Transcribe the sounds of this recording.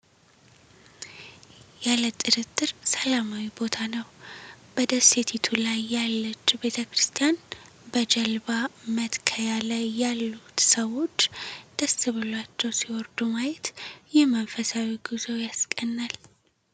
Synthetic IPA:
jalət̪ʼɨɾɨt̪ʼːɨɾsəlamawibo̞t̪ʰanəwb̥əd̪əset̪ʰit̪ʰulajːalːət͡ʃʼːbe̞t̪ʰəkɾɨst̪ʰijan | bəd͡ʒəlbamət̪kʰəjalajːalːut̪səwo̞t͡ʃːd̪̥əsɨβɨlwat͡ʃːɛwsiwɔɾd̪umajɛt̪jɛməɱfəsawiɡɨzojaskʼənːal

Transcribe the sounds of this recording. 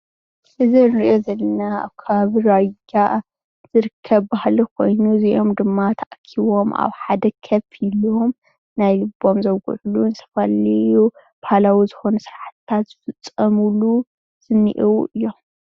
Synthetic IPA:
ʔɨzinɾiʔo̞zɐlːɐnaa̰βkʰɐβaβiɾad͡ʒa | z̥ɨɾɨkʰːɐβbahlikʰo̞jnuziʔo̞md̪ɨmːat̪ʰaʔkʰiβo̞mʔa̰βħad̪ɐkʰɐfilom | najlɨbo̞mzɐwɡṵʕuluɨnsʰɐ̥faliu | b̥ahalawizɨxo̞nusɾaħt̪t̪ʰat̪z̥ɨfɨt͡sʼːɐmulu | z̥ɨnːḭʔwuʔɨjːo̞m

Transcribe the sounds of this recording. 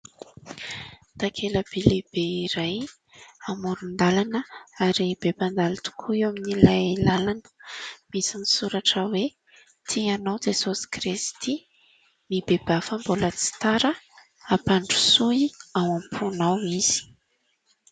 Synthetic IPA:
t̪akʰeləb̥eleb̥eiɾaj | amuɾund̪alanəaɾib̥epand̪alit̪u̥kʰuaminilajelalanə̥misinisuɾaʈ͡ʂəwe | t̪ʰianawd͡ʒesosi̥kɾist̪i | nibeb̥afambolət͡si̥t̪aɾə | apaɳɖ͡ʐu̥suawampʰunawiz̥i̥

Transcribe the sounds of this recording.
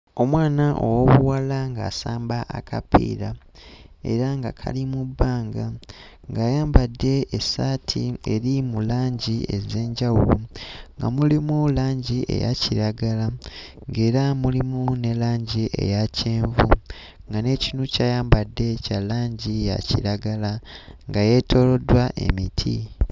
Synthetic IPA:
o̞mwaːnaʔo̰woβuwalaŋɡa̰ːsaːmbaʔa̰kʰapḭːɾa | e̞̰ɾaŋɡakʰa̰limubːaːŋɡa | ŋɡaːjaːmbadːe̞ːsaːtʰḭeɾimulaːɲɟie̞ze̞ːɲɟawṵluŋɡa̰mulimulaːɲɟiʔe̞̰ja̰ciɾaɡala | ŋɡe̞ːɾamulimune̞laːɲɟiʔe̞̰jaceːɱvṵ | ŋɡane̞cinucaːjaːmbadːe̞calaːɲɟija̰cḭɾaɡalaŋɡaje̞tʰo̞lo̞dwaʔe̞̰mitʰḭ

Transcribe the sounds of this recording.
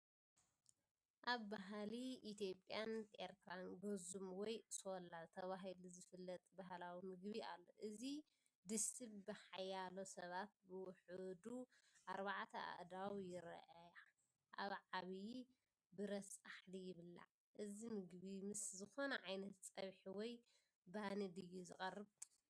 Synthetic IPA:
ʔaβbaɦliʔit̪ʰjo̞pʼːjanʔḛɾt̪ʰɨɾanɡozumwɔjsolat̪ʰɐβaɦiluzɨfɨlːɐt̪ʼbaɦlawimɨɡbia̰lːo̞̰ʔɨzi | d̪ɨsɨβbɨħajːalosɐβat̪̚bɨwʊħɨd̪uʔaɾβaʕt̪ʰɐa̰ʔd̪awjɪɾ̰ʔaja | ʔa̰βʕaβi | bɨɾɐsʼaħlijɪβɨlːa̰ | ʔɨzimɨɡβimɨszɨxo̞nɐʕajnɐt̪t͡sʼɐβħiwɔj | banid̪ɨjːuzɨkʼɐrːɨβ

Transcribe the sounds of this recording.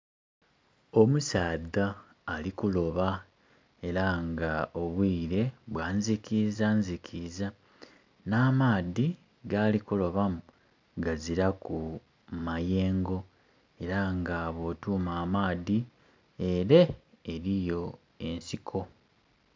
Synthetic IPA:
o̞musaːdaː | likulo̞βa | e̞ɾaŋɡaoβwiːɾe̞βwaːnzikizanzikʰiza | naːmaːði | ɡalikulo̞βamu | ɡaziɾaku | maje̞ːŋɡo̞ | e̞ɾaŋɡaβo̞ːtuːmaːmaːði | eɾe | eɾijo̞ | e̞nsikʰo̞

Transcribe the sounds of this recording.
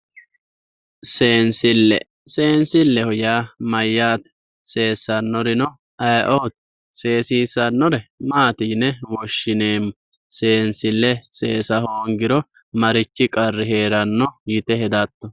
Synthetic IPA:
seːnsɪlːɛ̰ | se̞ːnsɪlːɛhɔjaːmɐjːaːt̪ | se̞ːsːɐnːɔɾɪnɔ | ɐjʔoːt̪̚ | se̞ːsiːsɐnːɔɾɛmaːt̪iːnɛwɔʃːɪne̞ːm | se̞ːnsɪlːɛse̞ːsɐhoːŋɡɪɾɔ | mɐɾɪt͡ʃːɪkʼɐrːɪhe̞ːɾɐnːɔjɪt̪ɛhɛd̪ɐt̪ːɔ

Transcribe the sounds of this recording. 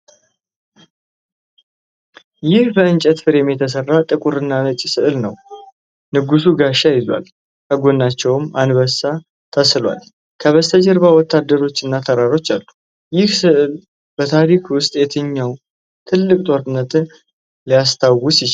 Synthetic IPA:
jɪhbəɨnt͡ʃʼət̪fɨɾjɛmːjɛt̪ʰəs̬ərːat̪ʼɨkʼuɾɨnːanət͡ʃʼisɨʔɨlnəw | nɨɡusuɡaʃːajɪzwa̰l | kəɡonːat͡ʃːɛwmʔanbəsa | t̪ʰəsɨlwa̰l | kʰəβəst̪ʰəd͡ʒəɾbawɔt̪ːad̪ːəɾo̞t͡ʃːɨnːat̪ʰəɾaɾo̞t͡ʃːalːu | jɪhsɨʔɨl | bət̪ʰaɾikʰwʊst̪ʼjɛt̪ʰɨɲːaw | t̪ʰɨlːɨkʼt̪ʼo̞ɾɨnːət̪ | lijast̪ʰawɡusɪ

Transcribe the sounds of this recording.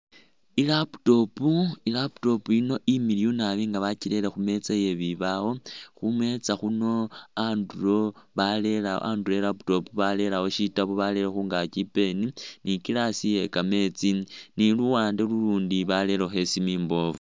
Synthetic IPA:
ilapu̥to̞puilapu̥to̞puino̞ʔimiliunaβiŋɡaβacile̞lexume̞t͡saje̞βiβawo̞xumwe̞t͡saxuno̞anduɾo̞βale̞la̰ʔa̰nduelapu̥to̞puβale̞lawo̞ʃitaβuβale̞lexuːŋɡakipe̞ninikilasije̞kame̞t͡siniluwaːndeluluːndiβale̞lexe̞simiːmbo̞vu

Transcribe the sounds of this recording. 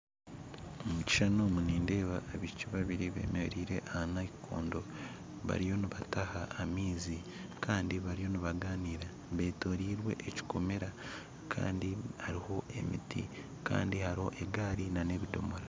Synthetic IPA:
omuci̥ʃanomuniːnde̞ːβaːβiʃiciβaβiɾiβe̞̰ːmeɾiːɾe̞̰ʔahanaikʰo̰ːndo̞ | βa̰ɾijo̞niβatahaːmiːzi | kaːndiβaɾijo̞niβaɡaːniːɾa | βe̞ːto̞ɾiːɾwe̞̰ʔeci̥ko̞me̞ɾa | kʰa̰ːndihaɾiho̞e̞̰mḭtḭ | ka̰ːndihaɾiho̞̰ʔeɡaːɾinane̞βido̞̰moɾa

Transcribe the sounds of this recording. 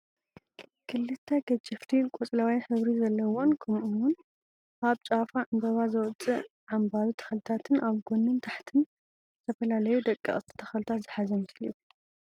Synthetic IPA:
kʰɨlːɨt̪ʰːɐɡɐd͡ʒʼɪft̪ʰikʼɔt͡sʼlawajħɨβɾizɐlːɐwonkʰɐmʔuwʊn | aβt͡ʃʼafaʔɨnb̪ɐβazɐwt͡sʼːɨ | ʕambaɾut̪ʰɐ̥xɐlt̪ʰat̪ʰɨnʔaβɡonːɨnt̪ʰaħt̪ʰɨn | zɨt̪ʰɐfɐlalɐjud̪ɐkʼːḭχʼt̪ʰi̥t̪ʰɐ̥xɐlt̪ʰat̪zɨħazɐmɐsli

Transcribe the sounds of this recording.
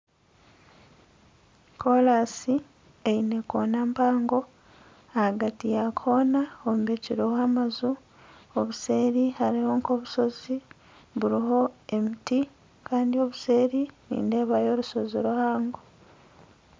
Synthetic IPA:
kʰolasi | eine̞ko̰ːnampaːŋɡo̞ | ahaɡatijakʰo̞ːnaomβeciɾowaːmazu | oβuse̞ːɾihaɾiho̞ŋko̞βuso̞zi | βuɾiɦo̞emiti | kaːndio̞βuse̞ːɾinḭːnde̞ːβajo̞ːɾuso̞ziɾuhaːŋɡo

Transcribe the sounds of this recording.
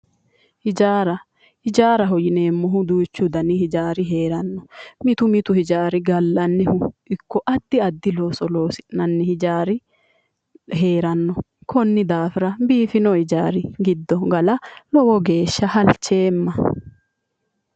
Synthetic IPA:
hɪd͡ʒaːɾɐ | hɪd͡ʒaːɾɐɦɔjɪne̞ːmːɔɦʊd̪uːt͡ʃːʊd̪ɐnɪhɪd͡ʒaːɾɪɦe̞ːɾɐnːɔmɪt̪ʊmɪt̪ʊhɪd͡ʒaːɾɪɡɐlːɐnːɛhʊɪkːɔʔɐd̪ːɪɐd̪ːɪloːsɔloːsɪnːɐnːɛhɪd͡ʒaːɾɪ | ɦe̞ːɾɐnːɔ | kɔnːɪd̪aːfɪɾɐbiːfɪnɔhɪd͡ʒaːɾɪɡɪd̪ːɔɡɐlɐlɔwɔɡe̞ːʃːɐhɐlt͡ʃːe̞ːmːɐ

